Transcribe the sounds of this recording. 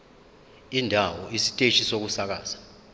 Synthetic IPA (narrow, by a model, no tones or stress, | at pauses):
indʱawɔisi̥tʼeʃʰʼisok̬usak̬aːz̥ḁ